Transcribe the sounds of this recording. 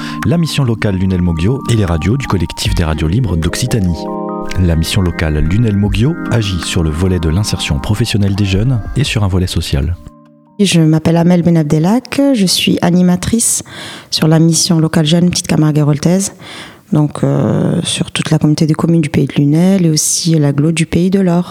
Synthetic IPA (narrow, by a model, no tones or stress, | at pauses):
lamisjɔ̃lɔkalːynɛlmɔɡjoeleʁad̪jod̪ykɔlɛkt̪ʰifd̪eʁa̰d̪jolibʁəd̪ɔksit̪ani | lamisjɔ̃lɔkalːynɛlmɔɡjoaʒisyʁləvɔlɛd̪əlɛ̃sɛʁsjɔ̃pχɔfesjɔnɛld̪eʒœnesyʁɛ̃vɔlɛsɔsja̰l | ʒəmapɛlamɛlbenab̚d̪ɛlakʒəsɥḭʔanimat̪χisːyʁlamisjɔ̃lɔkalʒœnpət̪ʰi̥t̪kamaʁɡeʁɔlt̪ɛz | d̪ɔ̃kʰø̰syʁt̪ut̪lakɔmynot̪ed̪əkɔmynd̪ypeid̪əlynɛleosilaɡlod̪ypeid̪əlɔʁ